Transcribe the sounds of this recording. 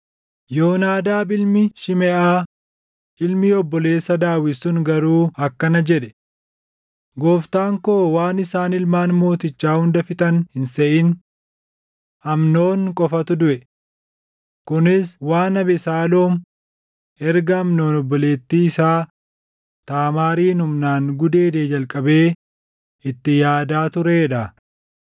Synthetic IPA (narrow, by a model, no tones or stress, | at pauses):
jo̞ːnaːd̪aːbɪlmɪʃɪmɛʔaː | ʔɪlmiɔbːɔle̞ːsːɐd̪aːwɪsʊŋɡɐɾuːɐkːɐnɐd͡ʒɛᶑɛ̥ | ɡo̞ːft̪aːŋkoːwaːnɪsaːnɪlmaːnmo̞ːt̪ɪt͡ʃːaːhʊnd̪ɐfɪt̪ʼɐnhɪnsɛʔɪn | ʔɐmno̞ːnkʼɔfɐt̪ʊd̪ʊʔɛ | kʊnɪswaːnɐbɛsaːlo̞ːm | ɛɾɡɐːmno̞ːnɔbːɔle̞ːt̪ːiːɪsaː | t̪aːmaːɾiːnhʊmnaːŋɡʊd̪e̞ːd̪eːd͡ʒɐlkʼɐbe̞ː | ɪt̪ːɪjaːd̪aːt̪ʊɾeːᶑɐ